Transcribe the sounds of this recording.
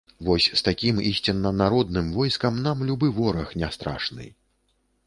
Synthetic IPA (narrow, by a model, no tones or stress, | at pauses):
vɔsʲst̪akʲimisʲt͡sʲinːɐnaɾɔd̪nɨmvɔjskɐmnamlʲubɨvɔɾɐxnʲast̪ɾa̰ʂnɨ̰